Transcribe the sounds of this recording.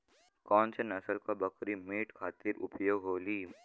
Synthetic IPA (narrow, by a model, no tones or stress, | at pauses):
kɔːnsenɐsəlkabɐkɾimiːʈkʰaːt̪ɪɾʊ̰pjoːɡɦoːliː